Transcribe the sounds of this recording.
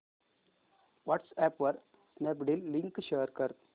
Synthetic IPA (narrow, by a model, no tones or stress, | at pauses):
ʋɔʈsɛpʋəɾ | snɛbɖilːĩŋkʃeːɾkəɾ